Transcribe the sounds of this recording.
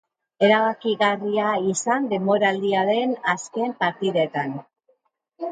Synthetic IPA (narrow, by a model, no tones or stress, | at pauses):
e̞ɾaβakiɣariaisand̪e̞mbo̞ɾald̪iaðe̞naske̞mpaɾt̪iðe̞t̪an